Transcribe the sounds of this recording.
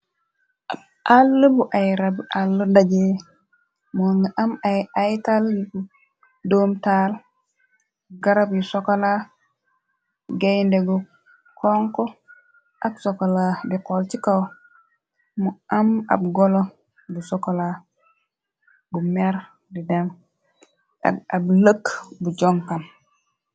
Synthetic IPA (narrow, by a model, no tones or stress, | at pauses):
ab̚ | alːubuʔajɾabʔalːədaɡe | muŋɡaʔamaajtalji | domtal | ɡaɾabjusokala | ɡejndeɡu | kʰoŋko | ʔaksokalabikolt͡ʃikaw | muʔama̰bɡolo | busokola | ɡumeɾ | didem | ʔa̰kabləkbud͡ʒoŋkam